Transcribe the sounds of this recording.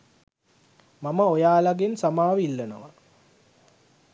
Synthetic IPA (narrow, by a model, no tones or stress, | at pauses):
maməojaːlaɡensamaːʋilːɐnoʋa